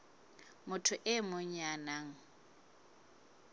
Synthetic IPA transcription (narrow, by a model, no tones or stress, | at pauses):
mʊtʰʊʔɪmʊɲanaŋ̩